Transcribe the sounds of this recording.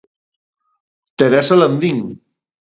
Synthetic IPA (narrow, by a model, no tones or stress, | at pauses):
t̪eɾɛsalɐnd̪iŋ